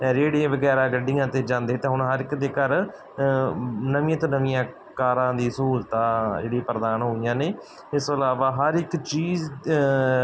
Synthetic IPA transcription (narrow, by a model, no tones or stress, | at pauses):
d͡ʒeːɽiẽːʋəɡɛːɾaːɡəɖːijãːt̪eːd͡ʒãːnd̪eːt̪ẽːɦʊɳ̃ɦəɾɪkd̪eːkəɾ | nəʋːãːt̪õːnəʋijãː | kaːɾãːd̪iːsuːlt̪aːd͡ʒḛːɽipɾəd̪aːnɦoːijãːneː | ɪsoəlaːʋaːɦəɾɪkt͡ʃiːz